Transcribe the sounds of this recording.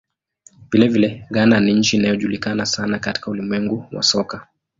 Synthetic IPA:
vilɛvilɛɠananiɲ̩t͡ʃiːnajɔʄulikanasanakati̥kaulimwɛŋɡuwa̰sɔka

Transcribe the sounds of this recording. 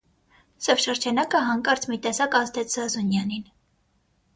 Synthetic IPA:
sɔvʃəɾd͡ʒɑnɑkəɦɑŋkɑɾt͡sʰmit̪ɛsɑkɑzd̪ʰɛt͡szɑzunjɑnin

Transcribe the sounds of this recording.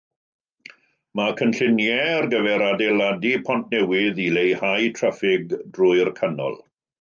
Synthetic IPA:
makʰənɬɪnjɛrɡəvɛɾadeladipʰɔnt̚ʰnɛwɪðilejhajtʰrafɪɡdrʊɨrkʰanɔ̰lˠ

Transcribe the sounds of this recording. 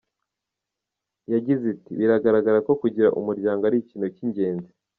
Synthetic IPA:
jaɟizitiβiɾaɡaɾaɡaɾako̞kuɟiɾaʔṵmuɾɟaːŋɡoaɾiciːnociɲɟe̞ːnze

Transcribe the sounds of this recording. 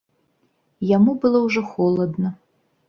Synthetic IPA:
jamubɨlˠɔwʐɔxɔlˠɐd̪nɐ

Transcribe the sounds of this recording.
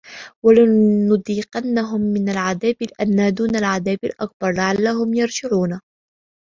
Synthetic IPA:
walanʊd̪ˤiːqanːaɦʊmːɪnalʕaðaːbɪlʔanːad̪uːnalʕaðaːbalʔak̚bɑɾˤlaʕalːahʊmjɑɾˤd͡ʒɪʕuːna

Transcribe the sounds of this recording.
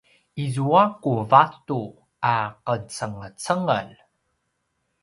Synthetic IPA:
izuakuvatu | aqət͡səŋət͡səŋəl

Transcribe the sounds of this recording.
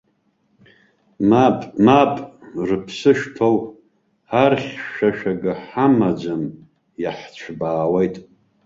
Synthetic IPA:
mapʼmapʼrɨpʰsɨʃtʰow | arχʲʃaʃaɡɨħamad͡ʒam | jaħt͡ɕʷʰbaːwejtʼ

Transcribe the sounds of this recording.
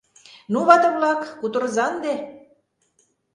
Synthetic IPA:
nuβɑt̪ə̆βlɑkːut̪ə̆ɾzɑnd̪e

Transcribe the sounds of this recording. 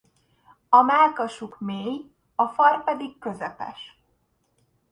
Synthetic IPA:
ɒmaːlkɒʃukmeːj | ɒfɒrpɛd̪ikkø̞zɛpɛ̰ʃ

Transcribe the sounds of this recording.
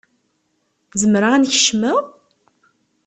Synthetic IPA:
zəmɾaʁænçə̥ʃməʁ

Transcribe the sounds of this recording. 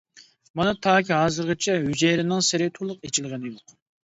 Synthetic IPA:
mɑnɨt̪ʰɑːkʲʰiɦɑːzɨɾʁɨt͡ʃʰɛɦyd͡ʒeɾɪnɪŋsɪɾɪt̪ʰulˠʊqet͡ʃʰilˠʁɨnɪjoq

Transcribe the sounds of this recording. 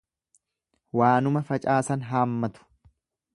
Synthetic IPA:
waːnʊmɐfɐt͡ʃʼaːsɐnɦaːmːɐt̪ʊ̥

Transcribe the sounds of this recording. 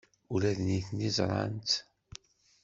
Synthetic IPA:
ulæðniθnːizˤɾˤɑ̰nt̪

